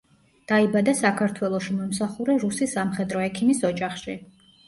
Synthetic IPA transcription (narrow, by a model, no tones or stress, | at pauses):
d̪̥aibad̪asakʰaɾt̪ʰwɛlˠɔʃimɔmsaχuɾɛɾusisamχɛd̪ɾɔɛkʰimisɔd͡ʒaχʃi